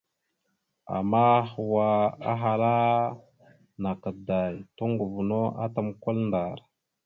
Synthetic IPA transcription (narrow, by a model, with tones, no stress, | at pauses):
a̰˨mːa˦xwa˨a̰˦ɦa˨la˦ | na˨kə˨da˨jto˦ŋɡu˨vu˨no˦a̰˦ta˦mkʷa˦lnda˨ɾ